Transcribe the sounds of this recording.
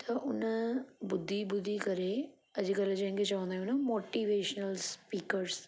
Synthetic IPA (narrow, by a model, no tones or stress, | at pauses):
t̪ʰɐʊnəbʊd̪ʱːibʊd̪ʱːikɐɾe | ɐd͡ʑkəld͡ʑɐ̃ɦɪ̃ŋkʰet͡ɕɐʋə̃nd̪aːjũnɐmoːʈiːʋeːʃnəlspiːkəɾs